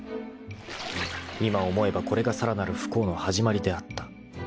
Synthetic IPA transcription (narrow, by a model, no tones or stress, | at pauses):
imao̞mo̞e̞bako̞ɾe̞ɡasaɾanaɾɯ̟ɸɯ̟̥ko̞ːno̞haʑimaɾʲid̪e̞at̪ːḁ